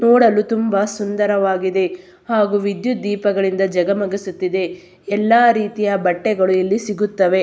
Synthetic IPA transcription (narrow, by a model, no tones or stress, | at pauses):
nɔːɽɐlut̪umbɐsund̪ɐɾɐʋaːɡid̪e̞ | haːɡuʋid̪jud̪iːpɐɡɐɭind̪ɐd͡ʒɐɡɐmɐɡisut̪ːid̪e̞ | ɛlːaːɾiːt̪ijɐbɐʈːɛɡɐɭuilːisiɡut̪ːɐʋe̞